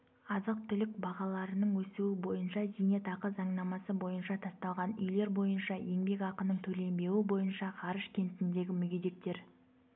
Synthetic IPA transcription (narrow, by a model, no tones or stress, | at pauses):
ɑzəq̚t̪ʰʏlɪk̚bɑʁɑlˠɑɾənəɴwɵsuwɪbo̞jənʃɑzijnet̪ɑqəzɑɴnɑmɑsəbo̞jənʃɑt̪ʰɑst̪ɑlˠʁɑnʏ̰jle̞ɾbo̞jənʃɑje̞ŋbe̞kɑqənəɴt̪ʰɵle̞mbe̞wɪbo̞jənʃɑqʰɑɾəʃkʲʰe̞nt̪ɪnd̪e̞ɡʲɪmʏɡʲed̪e̞k̚t̪e̞ɾ